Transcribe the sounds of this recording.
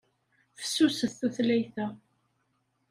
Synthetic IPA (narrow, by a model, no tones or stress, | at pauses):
θə̥sːusəθθæθlæjθæ